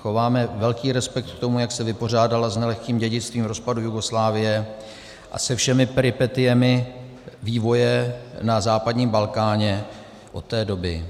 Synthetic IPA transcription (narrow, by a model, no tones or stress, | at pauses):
xovaːmɛvɛlkiːɾɛspɛk̚t̪kt̪o̞mujaksɛvɪpo̞r̝aːdalaznɛlɛxkiːmɟɛɟɪt͡st̪viːmɾo̞spadujuɡo̞slaːvɪjɛ | ʔa̰sɛfʃɛmɪpɛɾɪpɛt̪ɪjɛmɪ | viːvo̞jɛnazaːpadɲiːmbalkaːɲɛ | ʔo̞t̪ːɛːdo̞bɪ